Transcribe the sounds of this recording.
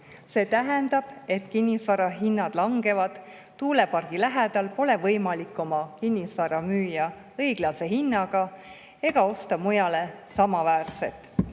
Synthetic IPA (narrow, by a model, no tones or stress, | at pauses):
se̞ːt̪æɦend̪ɑb̥e̞t̪kinʲːisvɑɾɑɦinːɑd̪̥lɑŋɡe̞vɑd̪̥ː | uːle̞pɑrɡ̥ilæɦed̪ɑlpo̞le̞vɤjmɑlikːˑo̞mɑkinʲːisvɑɾɑmyːjɑ | ɤjɡ̥lɑse̞hinːɑɡ̥ɑ | e̞ɡ̥ɑo̞st̪ɑmujɑle̞sɑmɑvæːrse̞̰t̪ːˑ